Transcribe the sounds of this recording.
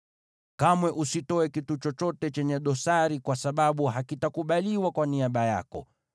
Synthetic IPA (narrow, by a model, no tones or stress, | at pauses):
kamwɛʔusitɔɛkitut͡ʃɔt͡ʃɔtɛt͡ʃɛɲɛɗɔsaɾikwasaɓaɓuɦakitakuɓaliwakwaniaɓaja̰kɔ̰